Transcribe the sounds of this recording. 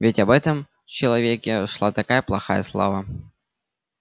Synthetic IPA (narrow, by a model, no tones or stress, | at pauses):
vʲɪtʲɐbɛt̪əm | t͡ɕɪlˠɐvʲekʲɪʂlˠat̪ɐkajəplˠɐxa̰jəslˠa̰va